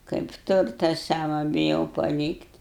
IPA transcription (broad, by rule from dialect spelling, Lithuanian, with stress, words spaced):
kɐɪp ˈtʊrtɐ ˈsɑːʋɐ bʲɪˈjɛʊ pɐˈlʲiːktʲ